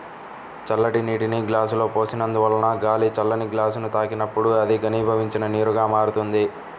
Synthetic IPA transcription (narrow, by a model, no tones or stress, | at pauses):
t͡ʃɐlːɐʈiniːʈiniɡlaːs̬ulo̞ːpo̞ːsinɐnd̪uʋɐlːɐnɐɡaːlit͡ʃɐlːɐniɡlaːsunut̪aːkinɐpːuɽuɐd̪iɡɐniːbʱɐʋiɲt͡ʃinɐniːɾuɡaːmaːɾut̪und̪i